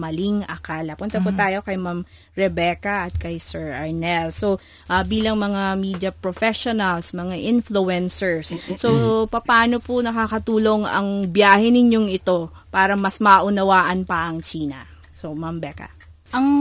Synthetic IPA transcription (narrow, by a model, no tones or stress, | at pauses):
mɐliŋɐkaːlɐpʊnt̪ɐpʊt̪aːjo̞kɐjmam | ɹɛbɛkɐʔɐt̪̚kɐjsɛɹʔɐɹnɛlso̞ | ʔɐbiːlɐŋmɐŋamiːd̪jɐpɾofɛʃonɐlsmɐŋaʔɪnfluɛnsɛɹsːopɐpaːno̞pʊnɐkaːkɐt̪uːlo̞ŋɐ̰ŋbjaːhɛnɪɲo̞ŋɪt̪o̞ | paːɾɐmɐsmɐʔʊnɐwaːʔɐnpɐʔɐŋt͡ʃiːnɐ̰ | somambɛkɐ̰ | ʔɐŋ